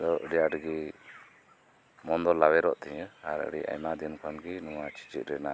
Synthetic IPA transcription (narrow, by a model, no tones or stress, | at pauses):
d̪ɔʔəɖijaʈɡi | mɔnd̪ɔlːawɛɾɔʔt̪ɛɲəaɾə̰ɽḭʔa̰jmad̪inkʰɔnɡinuwat͡ʃi̥t͡ʃit̪̚ɾɛna